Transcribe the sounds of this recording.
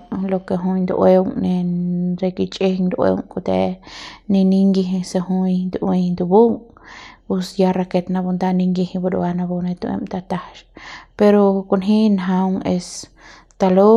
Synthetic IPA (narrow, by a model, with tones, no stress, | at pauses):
lo˧ke˧ɦu˧jnd̪ṵʔwe˦wŋne˧ɾe˧ki˧t͡ʃʼe˦ŋd̪ʔwḛ˧wŋku˧t̪e˧ni˧ni˧ŋɡi˧ɦi˧se˧ɦu˧jnd̪uʔĩ˧nd̪u˧bu˦ŋ | u˧sja˧ɾa˧ke˧t̪na˧bu˧nd̪a˧ni˧ŋɡi˧hĩ˧bu˧ɾṵ˧a˧na˧bu˧ne˧t̪u˧ḛ˧mt̪a˧t̪a˧ʃpe˧ɾo˧ku˧nɦi˦nɦa˧wŋe˧s | t̪a˧lo˦